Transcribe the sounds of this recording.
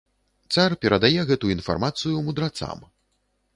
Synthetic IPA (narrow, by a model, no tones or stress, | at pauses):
t̪sarpʲɛɾɐd̪ajɛɣɛt̪uinfa̰rmat̪sɨjumud̪ɾat̪sa̰m